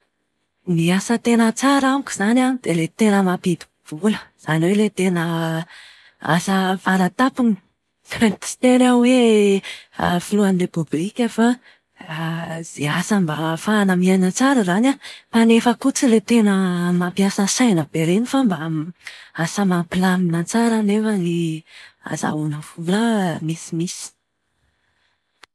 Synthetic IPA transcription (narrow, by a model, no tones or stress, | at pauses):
miasət̪enət͡saɾamiki̥z̥anad̪̥elet̪enəmapid̪i̥b̥uləz̥aniwelet̪enə | a̰səfaɾat̪apuni̥ | t̪i̥t̪eɾawe | ə̰filuanilepublikʲefa | z̥easambafaanamianat͡saɾəzanamanefəkut͡silet̪enəmapiasəsajnəb̥eɾenifamba | asəmapilaminat͡saɾanefani | a̰za̰wunəfuləmisimisi̥